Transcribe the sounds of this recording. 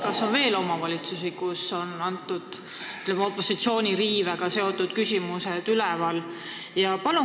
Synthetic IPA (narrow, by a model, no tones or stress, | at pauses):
kɑsːo̞nve̞ːlo̞mɑvɑlʲit̪susikuso̞nɑnt̪ːˑud̪̥ | yt̪ˑlemeo̞pːˑo̞sit̪sio̞ːnʲiɾiːveɡ̥ɑse̞o̞t̪ːˑud̪̥kysʲimused̪̥ylɛvɑl | jɑpɑlu